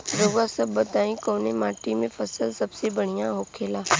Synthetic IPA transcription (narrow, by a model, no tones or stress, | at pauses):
ɾoːɡasəbːət̪aːĩkoːnemaːʈimẽfʰəsəlsɐbsebəɽ̤̃ijãɦoːkʰeːlaː